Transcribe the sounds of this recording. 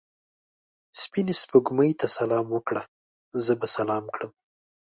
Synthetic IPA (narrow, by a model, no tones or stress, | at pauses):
spinespəɡməjt̪asalɑmwəkɽa | zəbasalɑmkɽəm